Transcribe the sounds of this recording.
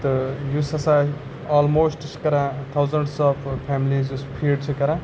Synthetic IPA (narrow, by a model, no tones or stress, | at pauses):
t̪ɨjusɐsã | ɔːlmoːsʈisʰkɐɾãːt̪ʰawzɐɳɖsɔfpʰɛːmliːzuspʰiɖt͡ʃʰɐkɐɾãː